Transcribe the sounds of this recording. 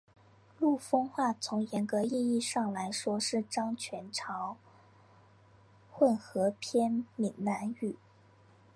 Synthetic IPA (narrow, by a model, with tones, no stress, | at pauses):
lu˥˩fɤ˥ŋxwa˥˩t͡sʰʊ˧˥ŋjɛ˧˥nkɤ˧˥i˥˧i˥˧ʂɑ˥˩ŋla˧˥ɪʂwɔ˥ʂɻ̩˥˩ʈ͡ʂɑ˥ŋt͡ɕʰɥɛ˧˥nʈ͡ʂʰɑ˧˥ʊ | xwə˥˩nxɤ˧˥pʰjɛ˥nmi˨˩nna˧˥ny˨˩˦